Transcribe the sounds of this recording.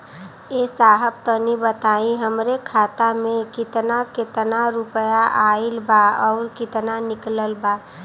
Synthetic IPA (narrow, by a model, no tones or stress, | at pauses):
esaːɦəb̚t̪ənibət̪aːiɦəmɾekʰaːt̪amẽkɪt̪naket̪naɾʊpəjaʔaːilbaɔːɾkɪt̪nanɪkləlba